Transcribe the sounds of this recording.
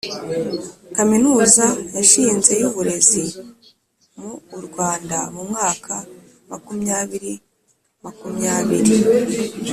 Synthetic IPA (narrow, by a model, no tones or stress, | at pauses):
kaminuːzajaʃiːnze̞juβuɾe̞zi | muːɾɡwaːndamumŋaːkʰa | makumɲaβiɾi | amakumɲaːβḭɾi